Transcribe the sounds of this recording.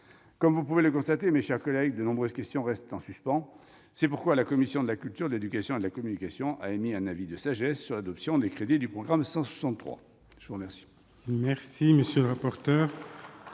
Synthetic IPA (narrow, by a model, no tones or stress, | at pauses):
kɔmvupuveləkɔ̃st̪at̪emeʃɛʁkɔlɛɡd̪ənɔ̃bʁøzkʲɛst̪jɔ̃ʁɛst̪ɑ̃syspɑ̃ | sɛpuʁkwalakɔmisjɔ̃d̪əlakʲylt̪yʁd̪əled̪ykasjɔ̃ed̪əlakɔmynikasjɔ̃ʔa̰emiɛ̃navid̪əsaʒɛsːyʁlad̪ɔpsjɔ̃d̪ekχed̪id̪ypχɔɡʁamsɑ̃swḁsɑ̃t̪t̪ːχwa̰ | ʒ̥əvuʁəmɛʁsi̥ | mɛʁsiməsjøləʁapɔʁt̪œːʁ